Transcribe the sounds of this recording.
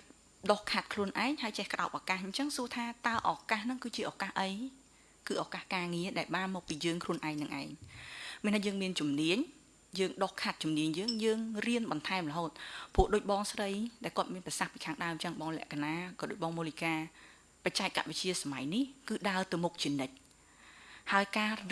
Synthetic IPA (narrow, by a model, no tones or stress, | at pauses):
ɗohkʰat̪̚kʰluənʔaɛŋhaəjt͡ɕɛhkə̆ɗa̰p̚ʔakahɲt͡ɕəŋsuət̪ʰaːt̪aəʔɑkahnɨŋkɨːt͡ɕiəʔakahʔəj | kɨːʔakahkaːŋiəɗaɛlɓaːnmɔːk̚piːjəːŋkʰluənʔaɛŋnɨŋʔa̰ɛŋmiənt̪ʰaːjəːŋmiənt͡ɕumniəɲ | jəːŋɗohkʰat̪̚t͡ɕumniəɲjəːŋjəːŋriənɓɑnt̪ʰaɛmləɦoːt̪̚puəʔɗoːc̚ɓɑːŋsrəjɗaɛlkŏət̪̚miənprɛsahpiːkʰaːŋɗaəmt͡ɕəŋɓɑːŋlɛ̆əʔkanaːkɑːɗoːc̚ɓɑːŋmuːlikaː | pat͡ɕaɛk̚kːa̰t̪̚ʋɨt͡ɕiəsama̰jnihkɨːɗaət̪ɨwmuk̚t͡ɕiənɨc̚ | haəjkaː